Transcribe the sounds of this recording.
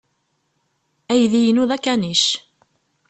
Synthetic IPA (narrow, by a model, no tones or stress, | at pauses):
æjðijənuðækːæniʃ